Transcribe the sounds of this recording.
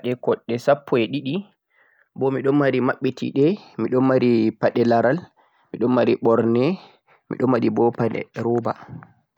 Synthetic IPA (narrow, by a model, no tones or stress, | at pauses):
ɗɛkɔɗːɛsapʰːɔɛɗiɗi | bɔmiɗɔnmaɾimaɓːitʰḭɗɛmiɗɔnmaɾipaɗɛlaɾal | miɗɔnmaɾiɓɔɾnɛ | mḭɗɔnwaɗibɔpaɗɛ̰ɾɔːba̰